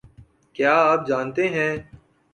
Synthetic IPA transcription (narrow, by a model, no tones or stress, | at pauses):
kjaːaːp̚d͡ʒaːnt̪eɦɛ̃ː